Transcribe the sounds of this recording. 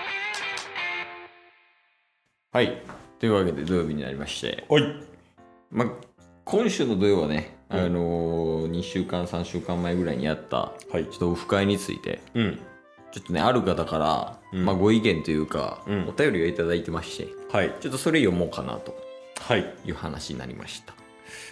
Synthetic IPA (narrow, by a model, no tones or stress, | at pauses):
hait̪o̞jɯ̟βake̞d̪e̞d̪o̞jo̞ːbʲiɲ̟ina̰ɾʲimaɕi̥t̪e̞̰ | maː | kʰõɰ̃ɕɨːno̞d̪o̞jo̞ːbane̞ano̞ɲ̟iɕɨːkãɰ̃sãɕɨːkãmːaeɡɯ̟ɾaḭɲ̟ḭjat̪ːa̰hait͡ɕo̞̥t̪ːooɸɯ̟̥kaiɲ̟it͡sɨ̰ḭt̪ẽ̞̰ | t͡ɕo̞t̪ːo̞ne̞̰aɾɯ̟kat̪akaɾa̰maɡo̞ikẽ̞nt̪o̞jɯ̟ːkã̰o̞t̪ajo̞ɾʲiait̪ad̪ait̪e̞maɕi̥t̪e̞̰hait͡ɕo̞t̪ːo̞so̞ɾe̞jo̞mo̞ːkana̰t̪o̞̥haijɯ̟ːhana̰ɕiɲḭna̰ɾʲḭmʔa̰ɕi̥t̪ḁ